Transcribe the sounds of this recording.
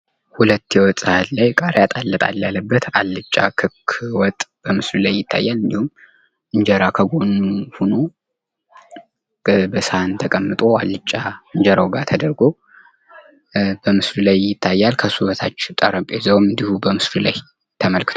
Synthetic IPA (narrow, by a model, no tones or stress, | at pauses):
hulət̪ːjɛwɔt̪ʼɨhalajkʼaɾjat̪ʼalːət̪ʼa̰ljalːəbːət̪ʰalːɨt͡ʃʼːa̰kʰɨkʰwɔt̪ʼb̥əmɨslulajːɪt̪ʰːa̰jːalɨnd̪ihum | ɨɲd͡ʒəɾakʰəɡo̞nhuno | bəshaant̪ʰəkʼəmːɨt̪ʼo̞alːɨt͡ʃʼːaɨɲd͡ʒəɾawɡat̪ʰəd̪əɾɡo | bəmɨslulajːɪt̪ʰːajːalkʰəsuβət̪ʰat͡ʃːɪt̪ʼəɾəmpʼezəwmɨnd̪ihubəmɨslula̰j | t̪ʰəməlkɨ̥t̪ʰ